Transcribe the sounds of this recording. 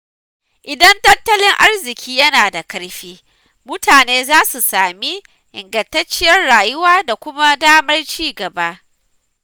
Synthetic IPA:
ʔɪ˨dɐ˦ntɐ˦ntɐ˦lɪ˦ŋʔa˦rzɪ˨kʲiː˦jɐ˦naː˨da˨kɐ˦ɽɸiː˦ | mʊ˦tʰaː˨neː˦zaː˦su˨saː˨mi˦ | ʔɪ˨ŋɡɐ˨ntɐ˦t͡ʃːɪ˦jɐ˦rɽaː˨jʊ˦waː˦da˨kʷʊ˦ma˦daː˦mɐ˦rt͡ʃiː˦ɡɐ˨ba˦ʔ

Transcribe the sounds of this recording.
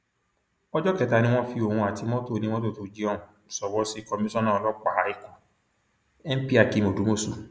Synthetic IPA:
ɔ˦d͡ʒɔ˦kɛ˨˧˦ta˧nĩ˧˦w̃ɔ̃˦fi˧o˨hũ˧a˨ti˧˦mɔ̃˦to˦˨nĩ˧wɔ̃˦to˦˨to˨˧d͡ʒi˧ɔ˦˨ũ˨sɔ˨wɔ˨˦si˦˨kɔ˧mĩ˦sɔ̃˦nãː˦˨˧lɔ˦k͡pa˨˦i˦˧˨kã˨ | ɛ˦m̩˦pi˦a˨ki˨˦mo˨du˨˦mo˦su˦˨

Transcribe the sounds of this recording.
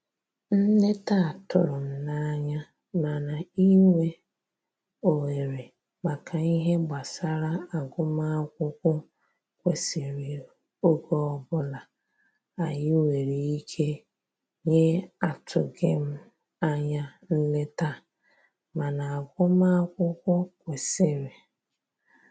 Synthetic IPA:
n̩˦le˦ta˦˨tʊ̰˦˨ɾʊ˨m̩˦na˦ɲa˦ | na˨na˨i˦ŋʷe˦ | o˨we˨ɾe˨ | ma˨kʰa˨i˦ɦe˦ɡ͡ba˨sa˦ɾa˦a˨ɡʊ˦m˦a˦kʷʊ˦kʷʊ˦ | kʷe˨si˨ɾi˨ | o˦ɡo˦ɔ˦bʊ˦la˨ | a˨jɪ˦we˨ɾi˨i˦kʰe˦ | ɲe˦a˨tʰʊ˨ɡe˦m̩˦ | a˦ɲa˦ | n̩˦lɪ˦ta˦ | ma˨na˨a˨ɡʷʊ˦ma˦kʷʊ˦kʷʊ˦kʷe˨sɪ˨ɾi˨

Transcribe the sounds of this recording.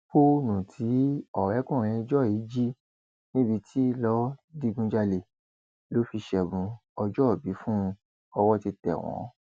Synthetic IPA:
po˦nũ˨tʰi˨˦ɔ˨ɾɛ˨˦kũ˦˨ɾ̃ĩ˧d͡ʒɔ˦˨i˨˦d͡ʒi˦ | nĩ˦bi˧tʰi˦lɔ˦di˦˧ɡũ˧d͡ʒa˧le˨ | lo˨˦fi˧ʃɛ˨bũ˧ɔ˧d͡ʒɔ˦˨bi˨˦fũ˦ | ɔ˧wɔ˦ti˧tɛ̰˨w̃ɔ̰̃˨˦

